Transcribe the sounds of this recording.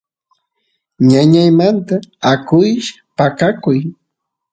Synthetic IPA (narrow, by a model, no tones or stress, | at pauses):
ɲaɲajmant̪aːkʊjʃḁpakakʊj